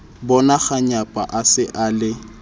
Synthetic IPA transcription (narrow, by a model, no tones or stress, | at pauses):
bɔnaχaɲapʼa̰ʔasɪʔaːlɪ